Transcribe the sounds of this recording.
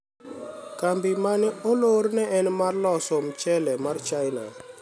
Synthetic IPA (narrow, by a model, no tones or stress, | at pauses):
kambɪmanɪoloɾnɛɛnmarlɔsɔmt͡ʃɛlɛmart͡ʃajna̰